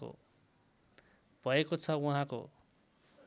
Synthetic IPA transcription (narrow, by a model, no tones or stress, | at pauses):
o̰ | b̥ʱʌekot͡sʰʌuɦãko̰